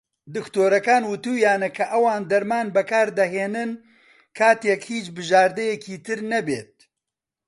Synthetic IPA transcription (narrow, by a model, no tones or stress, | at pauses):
d̪ɨkt̪oːɾɐkaːnwɨt̪uːjaːnɐkʰɐʔɐwaːnd̪ɐɾmaːnbɐkaːɾd̪ɐɦeːnɨn | kʰaːt̪jɛkhiːt͡ʃbɨʒaːɾd̪ɐjɛkiːt̪ɨɾnɐbḛːt̪̚